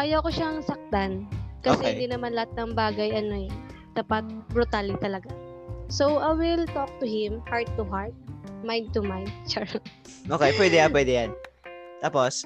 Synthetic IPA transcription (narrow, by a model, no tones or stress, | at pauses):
ʔajɐwkoʃaŋsɐk̚t̪ankɐsɛɪnd̪inɐmanlɐhat̪̚nɐŋbaːɡɐjʔɐno̞ɛd̪̥aːpɐt̪̚bɾʊt̪alɪt̪ɐlɐɡa | sowʔajwɪlt̪ok̚t̪ʊhɪ̃mhaɹd̪̚t̪ʊɦaɹt̪̚maj̃nd̪̚t̪ʊmajnd̪̚t͡ʃaɹ | ʔoːkejpwɛd̪ɛjapwɛd̪ɛjan | t̪aːpos